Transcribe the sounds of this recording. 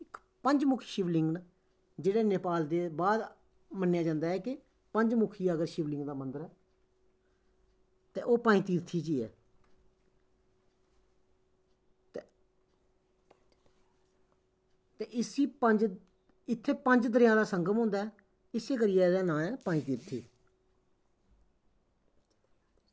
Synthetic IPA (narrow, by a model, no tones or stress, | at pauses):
ɪk | pəɲd͡ʒmʊkʰiːʃɪʋlɪ̃ŋɡ | d͡ʒeːɽeːneːpaːld̪eːbaːd̪ | mənːjaːd͡ʒãːnd̪aːɛːkɪ | pəɲd͡ʒmʊkʰiːaəɡəɾʃɪʋlɪ̃ŋɡd̪aːmə̃nd̪əɾɛː | t̪ḛːʔoːpaːĩːt̪iːɾt̪ʰiːt͡ʃiːɛ̰ː | t̪eːʔɪsiːəɲd͡ʒ | ɪt̪ʰːeːpəɲd͡ʒd̪əɾɪjãːd̪aːsəŋɡəmɦõːnd̪aːɛː | ɪseːk̬əɾɪjaːd̪aːnãːɛːpaːĩːt̪iːɾt̪ʰḭː